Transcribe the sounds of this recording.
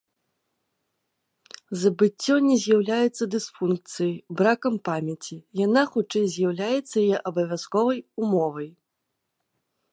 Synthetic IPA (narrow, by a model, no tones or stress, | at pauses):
zɐbɨt͡sʲːɔnʲɛzʲjawlʲajɛt̪sːɐd̪ɨsfunk̚t̪sɨjɐjbɾakɐmpamʲɛt͡sʲijanaxut͡ʂɛjzʲjawlʲajɛt̪sːɐjajɛʔɐbɐvʲaskɔvɐjumɔvɐj